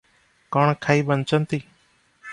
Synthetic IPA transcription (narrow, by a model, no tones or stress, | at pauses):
koːɳkʰaːiːɓənt͡ʃənt̪iː